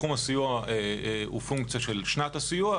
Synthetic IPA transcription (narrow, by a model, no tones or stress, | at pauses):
umasijuaʔeufuŋkt͡sjaʃelʃnat̪asijua